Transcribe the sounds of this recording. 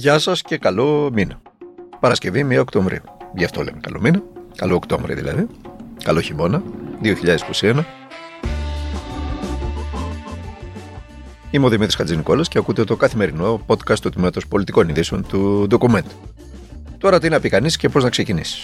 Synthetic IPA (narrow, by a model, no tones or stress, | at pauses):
ʝɐsɐsce̞kɐlo̞minɐ | pɐɾɐsce̞vimiɐokt̪oɱvɾḭuʝɐft̪o̞lḛmekɐ̰lo̞̰minɐkɐlo̞okt̪o̞̰ɱvɾḭðḭlɐ̰ðikɐlo̞çimo̞nɐðio̞çiʎɐðesi̥ko̞sienɐ | imeoðimit̪ɾiskɐd͡zizniko̞lɐsceɐkut̪et̪o̞kɐθime̞ɾino̞po̞t̪kɐst̪ːut̪imimɐt̪o̞spo̞lit̪iko̞niðiso̞nt̪uðo̞kume̞nt̪u̥ | t̪o̞ɾɐt̪inɐpikɐnisce̞po̞znɐksecinisi̥s